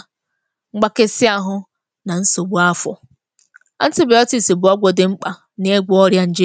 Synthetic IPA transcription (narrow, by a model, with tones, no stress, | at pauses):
ŋ͡m̩˦ɡ͡ba˦ke˦sɪ˦a˦ɦʊ˦ | na˨n̩˦so˨ɡ͡bu˦a˦fɔ̰˨ | a˦n̩˦ti˦ba˨ɔ˦ti˨si˨bʊ˨ɔ˦ɡʷɔ˨dɪ˨ŋ͡m̩˦k͡pa˨ | n˦e˦ɡʷu˦ɔ˦ɾja˦n̩˨d͡ʒe˦